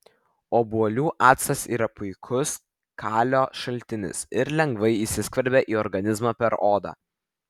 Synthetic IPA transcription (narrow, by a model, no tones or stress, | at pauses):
oːbuɔlʲuːʔɑːt̪sɐsḭːɾɐpʊɪkʰʊs | kʰɑːlʲoːʃɐlʲt̪ʲɪnʲɪ̰sɪɾlʲɛŋɡʋɐɪisʲɪskʋɐɾʲbʲeːʔiːɔɾɡɐnʲɪzmɑːpʲɛɾoːd̪ɑ̰ː